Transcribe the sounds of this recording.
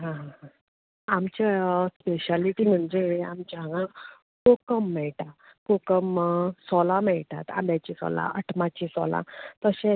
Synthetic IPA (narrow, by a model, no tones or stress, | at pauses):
ɦãɦãɦã | amt͡ɕaspeɕaliʈiːm̤əɳd͡ʑea̰mt͡ɕaɡã | kokəmːɛɭʈa | kokəmsɔlamɛɭt̪a̰t̪a̰bjat͡ɕisɔ̰la̰əʈʰmat͡ɕisɔ̰lã̰t̪əɕẽ